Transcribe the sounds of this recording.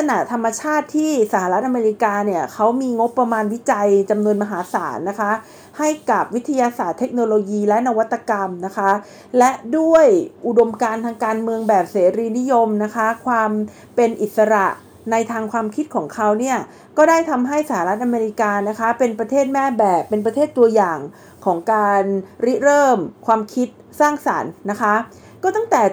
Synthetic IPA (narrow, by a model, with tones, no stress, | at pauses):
sʰa˧na˨˩t̪ʰa˧mːa˧t͡ɕʰaː˥˩t̪ʰːiː˥˩sa˧˦haː˧ɾa˦˥t̪̚ʔa˧meː˧ɾi˧kaː˧ni˥˩ɐkʰa˦˥wmiː˧ŋo˦˥pːɾa˧maː˧nwi˦˥t͡ɕa˧jt͡ɕa˧mnu˧ənma˧ɦaː˩˦saː˩˦nːa˦˥kʰa˦˥ʔ | ha˥˩jka˨˩p̚wi˦˥t̪ʰːa˧jaː˧saː˨˩t̪ʰːe˦˥k̚noː˧loː˧jiː˧lɛ˦˥na˧wa˦˥t̪ʰːa˧ka˧mna˦˥kʰa˦˥ | lɛ˦˥du˥˩əjʔu˨˩do˧mkaː˧nt̪ʰaː˧ŋkaː˧nmɯ˧əŋbɛː˨˩p̚seː˩˦ɾiː˧ni˦˥jo˧mna˦˥kʰa˦˥kʰwaː˧m | pe˧nʔi˨˩t̪̚sa˧ɾa˨˩ʔ | na˧jt̪ʰaː˧ŋkʰwaː˧mkʰi˦˥t̪̚kʰɔː˩˦ŋkʰa˦˥wni˥˩ɐ | kɔː˥˩daː˥˩jt̪ʰa˧mɦa˥˩jsa˧˩a˧ɾa˦˥t̪̚ʔa˧meː˧ɾi˧˥kaː˧na˦˥kʰa˦˥pe˧npɾa˧t̪ʰeː˥˩t̪̚mɛː˥˩bɛː˨˩pːe˧np̬ɾa˧t̪ʰeː˥˩t̪ːu˧ɐjaː˨˩ŋ | kʰɔː˩˦ŋkaː˧nɾi˦˥ɾɤː˥˩mkʰwaː˧mkʰi˦˥t̪̚saː˥˩ŋsa˩˦nːa˦˥kʰa˦˥ | kɔː˥˩t̪a˥˩ŋt̪ɛː˨˩